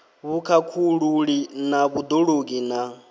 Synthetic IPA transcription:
βukʰakʰuɺuɺinaβud̪oɺoɡina

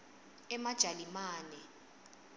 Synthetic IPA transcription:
ɛmad̥ʒ̥ʱalimaːnɛ

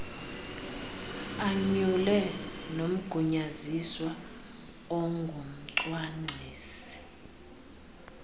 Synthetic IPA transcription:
aɲulɛnom̩ɡ̥ʱuɲaziswa | ɔŋɡʱum̩ǀwaŋ͡ǀʱiːsi̥

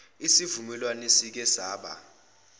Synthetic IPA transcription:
isivumɛlwanesik̬ɛsaːɓa̰

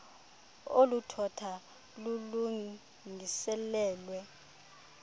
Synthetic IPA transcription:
olutʰɔtʰa | lulu | ŋisɛlɛːlwɛ

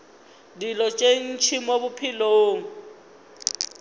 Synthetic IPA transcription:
dilɔt͡ʃʼen̩t͡ʃʰimobʊpʰiloːŋ̩

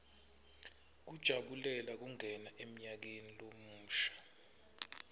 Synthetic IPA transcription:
k̬ud̥ʒ̥ʱaɓulɛlak̬uŋʱɛnaʔem̩ɲak̬enilom̩ːʃḁ

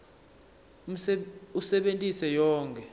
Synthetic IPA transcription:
usɛɓentʼisɛjɔːŋkʰʼɛ

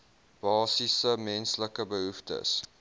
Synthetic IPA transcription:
b̥ɑːsisəmɛnsləkəbəɦuftə̰s

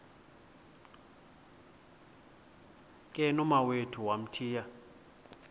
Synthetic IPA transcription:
kʼɛnɔmawetʰuwam̩tʰiːja

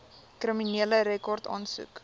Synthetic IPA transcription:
kriminiələɾekɔrtɑ̰ːnsṵk

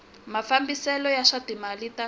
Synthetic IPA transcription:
mafambisɛlɔjaʂatimalita

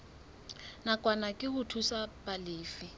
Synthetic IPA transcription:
nakʼwanakʼɪhʊtʰusapalɪːfi

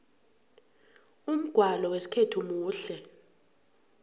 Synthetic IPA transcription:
um̩ɡ̥ʱwalɔwesi̥kʰetʰumuːɬɛ

